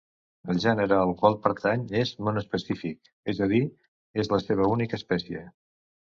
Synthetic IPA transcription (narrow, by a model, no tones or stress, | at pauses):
əlˠʒɛnəɾəəlˠkwalˠpəɾt̪aɲezmənuəspəsifik̚ | ɛzəð̞i | ezləseβ̞əunikəːspɛsiə